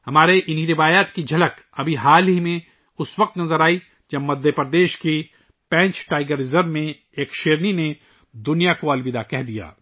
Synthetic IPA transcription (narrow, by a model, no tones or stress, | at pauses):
hɐmaːɾeʔɪnɦiɾɪʋaːjaːt̪kid͡ʒʱɐlək | ɐbʱiɦaːlɦimẽ | ʊsʋɐq̚t̪nɐzəɾaːi | d͡ʒɐbmɐd̪ʱːjəpəɾd̪eːʃki | pɛ̃ːɲt͡ʃʈaːɪɡəɾɪzəɾmẽ | eːkʃeːɾnine | d̪ʊnijakoɐlbɪd̪akɛɦd̪ija̰ː